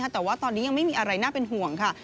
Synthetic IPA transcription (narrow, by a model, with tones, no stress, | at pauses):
a˥˩t̪ɛː˨˩waː˥˩t̪ɔː˧nːiː˦˥ja˧ŋma˥˩jmiː˧ʔa˧ɾa˧jnaː˥˩pe˧nɦu˨˩əŋkʰa˥˩